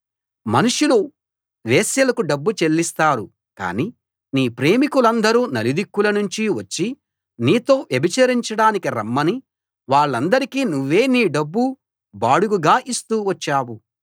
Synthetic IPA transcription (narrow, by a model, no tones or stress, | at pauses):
mɐnuʂulu | ʋeːsjɐlɐkuɖɐbːut͡ʃe̞lːist̪aːɾu | ka̰ːni | niːpɾe̞ːmikulɐnd̪ɐɾuːnɐlid̪ikːulɐnuɲt͡ʃiʋɐt͡ʃːi | niːt̪o̞ːʋjebʱit͡ʃɐɾiɲt͡ʃɐɽaːnikiɾɐ̰mːɐni | ʋaːɭːɐnd̪ɐɾikiːnuʋːe̞ːniːɖɐbːu | baːɽuɡuɡaːʔist̪uːʋɐt͡ʃːaːwu